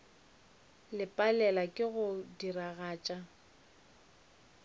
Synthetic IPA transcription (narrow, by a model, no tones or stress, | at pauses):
lɪpʼalɛlakʼɪɣʊdiraɣaːt͡ʃʼa